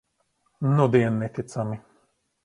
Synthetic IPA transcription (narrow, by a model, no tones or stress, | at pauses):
nud̪iɛnːɛt̪it̪sami